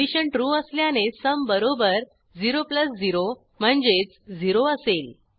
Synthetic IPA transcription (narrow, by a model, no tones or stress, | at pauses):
iɕəɳʈɾuəsljanesəmbəɾobəɾ | d͡ziɾopləsd͡ziɾo | m̤əɳd͡zet͡sd͡ziɾoəsel